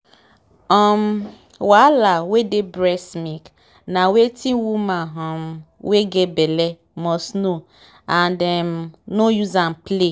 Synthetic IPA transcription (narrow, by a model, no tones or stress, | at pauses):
ɔm̩ | walawedebɾɛsmik | nawetʰiwumaɦɔm̩weɡebele | mɔsno | andɛmnojuzam̩ple